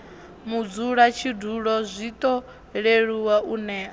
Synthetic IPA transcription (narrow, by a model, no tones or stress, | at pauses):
mud͡zuɺat͡ʃʰiduɺɔzʷit̪ʼɔ | ɺeɺuwaʔunɛːa